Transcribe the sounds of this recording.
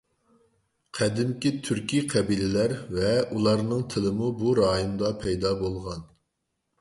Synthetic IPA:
qʰæd̪ɪmkʲit̪ʰyɾkʲiqʰɛbilɪlæɾvɛulˠɑɾnɨŋt̪ʰɪlˠɨmubuɾɑːjimd̪ɑpʰɛjd̪ɑbolˠʁɑn

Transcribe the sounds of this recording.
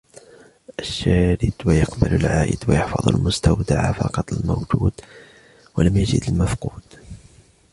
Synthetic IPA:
ʔaʃːaːɾɪt̪wajɑqbalalʕaːʔɪ̰d̪wajɑħfɑ̰ðˤa̰lmʊst̪awd̪aʕfɑqɑt̪ˤalmowd͡ʒuːd̪ | walamjad͡ʒɪ̰d̪almafquːd̪̥

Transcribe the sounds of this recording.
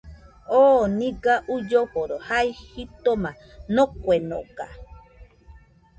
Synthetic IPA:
oːnĩɡaʔud͡ʒopoɾohaihit̪omã | nokʷeno̰ɡa̰

